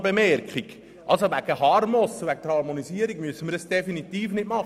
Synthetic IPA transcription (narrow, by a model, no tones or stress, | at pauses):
bemɛɾkχiɡ | ʔɑlsoʋæɡəɦɑɾmɔsʋæɡ̥̚d̥̪əɾhɑɾmoniziəɾiɡmyəsːənməɾəsd̥efinit̪iːfnɪtmɑχə